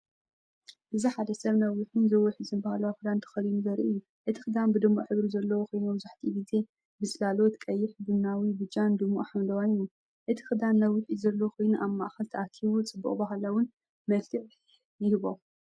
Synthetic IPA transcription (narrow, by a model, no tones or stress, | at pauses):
ʔɨziħad̪ɐsɐβnɐwɨħunzɐwiħɨzɨnbahalawaxɨd̪ant̪ʰɐ̥xɐlinuzɐɾḭʔɨjːu | ʔɨt̪ʰixɨd̪anbɨd̪ɨmːo̰ʔħɨβɾuzɐlːɐwoxojnubɨzaħt̪ʰibize | bɨzɨlalot̪kʼɐjːɪħb̪ɨnːawibɨt͡ʃʼːand̪ɨmːo̰ʔħamd̪ɐwajju | ʔɨt̪ʰi̥xɨd̪anːɐwɪħizɐlːɐwkʰojnuʔaβmːa̰ʔxɐlt̪ʰɐʔakʰiβut͡sʼɨbːṵχʼbɐɦalawʊn | mɐlkʰɨʕ | jɪhɨβom